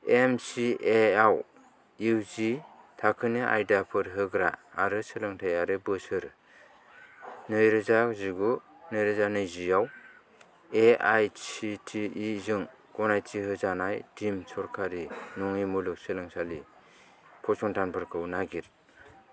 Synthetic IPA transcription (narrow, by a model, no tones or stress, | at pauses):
emsieaw | iwzi | tʰakʰɯniʔa̰jdapʰɯɾɦɯɡɾaːɾɯsɯlɯŋtʰajaɾɯbɯsɯɾ | nɯjɾɯzaziɡu | nɯjɾɯzanɯjzijaw | eajsitʰiizɯŋ | ɡɔnajtiɦɯzanajtʰimsʰɔɾkʰaɾinɔŋimulɯk̚sɯlɯŋsali | pʰɔsɔŋtʰanpʰɯɾkʰɯwnaɡiɾ